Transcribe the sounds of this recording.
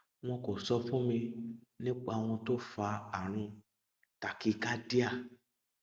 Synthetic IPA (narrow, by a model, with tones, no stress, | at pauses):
w̃ɔ̃˧ko˨sɔ˧fũ˦mĩ˧nĩ˦k͡pa˧w̃ɔ̃˧to˦fa˧a˨ɾ̃ũ˧ | ta˨ki˦ka˦di˦a˦˨